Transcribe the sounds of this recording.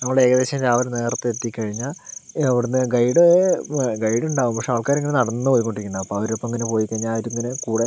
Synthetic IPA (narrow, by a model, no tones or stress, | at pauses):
nɐmːɭɽee̞ːɡɐðeːɕɐmd͡ʑaːʋɐɾne̞ːrt̪ːɨe̞t̪ːikʲːɐɻiɲːaɐʋiɽunːɨɡɐjɽoeɡɐjɽuɳɖaːʋumpɐkʂeɐʋɐɭkaːɾŋːɐnenɐɽɐnːɨpoːjikːoɳɖiɾikʲːunːɐɐpːɐɐʋɐɾopːɐmeŋːɐnepo̞ːjikːɐɻɲːaːjiɾuŋːɐnekuːɽe